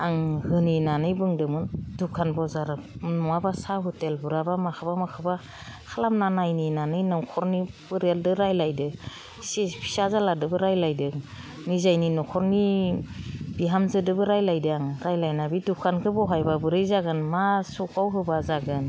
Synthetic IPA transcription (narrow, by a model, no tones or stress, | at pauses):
aŋhɯninanɯjbɯŋdɯmɯndukʰanbɔzaɾɯnɔabasaɦutelbɯɾabamakʰɯbamakʰɯba | kʰalamnanajninanɯjnɔwkʰɔɾnib̥ɯɾeldɯɾajlajdɯ | sipʰi̥sazaladɯbɯɾajlajdɯ | nizajninɔkʰɔɾni | biɦamzɯdɯbɯɾajlajdɯaŋɾajlajnabidukʰankʰɯbɔɦajbabɯɾɯjzaɡɯnmasukawɦɯbazaɡɯn